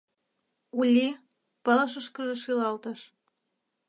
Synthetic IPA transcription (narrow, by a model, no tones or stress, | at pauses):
ulʲːi | pələ̆ʃəʃkəʒĕʃilɑlt̪əʃ